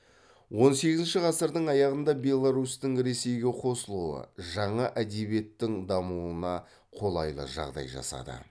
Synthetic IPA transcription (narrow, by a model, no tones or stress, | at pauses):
wo̞nse̞ɡʲɪzɪnʃɪʁɑsəɾd̪əɴɑjɑʁənd̪ɑbe̞lˠːaɾust̪ɪŋɾe̞se̞jɡʲe̞qʰo̞səlˠuə̰ʒɑɴɑʔæd̪e̞βije̞t̪ːɪŋd̪ɑmuənɑ | qʰo̞lˠɑjlˠə̰ʒɑ̰ʁd̪ɑ̰jʒɑ̰sɑ̰d̪ə̰